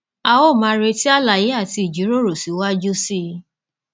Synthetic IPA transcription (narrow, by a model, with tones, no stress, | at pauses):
a˧wo˦˨mã˨˧˦ɾe˧ti˦a˦la˨je˨˦a˦˨ti˧i˨d͡ʒi˨˦ɾo˦˨ɾo˨si˨˦wa˦d͡ʒu˦si˦